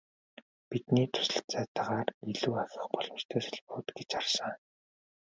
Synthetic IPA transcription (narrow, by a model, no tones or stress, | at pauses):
pit̪niːt̪ʰʊ̥sə̆ɬt͡sæːt̪aʁaːriɮuːaxʲə̆χpɔɮɞ̆mt͡ɕt̪ʰœːsaɮpʊːt̪ɡet͡ɕarsə̆ŋ